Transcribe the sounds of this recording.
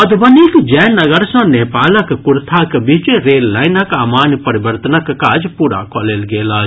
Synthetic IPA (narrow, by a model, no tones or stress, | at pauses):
ɐd̪bɐniːkd͡ʒɛːnːɐɡəɾsɐ̃neːpaːlɐkkʊɾt̪ʰakbit͡ʃeɾeːlːaːjnɐkaːmaːnpɐɾɪbəɾt̪ənɐkkaːd͡ʒpuːɽa̰ːkoːleːlɡeːlaː